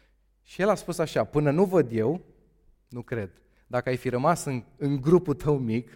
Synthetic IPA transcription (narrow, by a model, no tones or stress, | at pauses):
ʃije̞laspusaʃapɨnənuvəd̪je̞w | nukɾe̞d̪ | d̪akəajfiɾəmasɨnɨŋɡɾupult̪ʰəwmik